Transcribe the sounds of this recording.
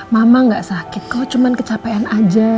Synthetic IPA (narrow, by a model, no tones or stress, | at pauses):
mamaŋɡaʔsakit̪̚kɔt͡ʃumankət͡ʃapajanad͡ʒa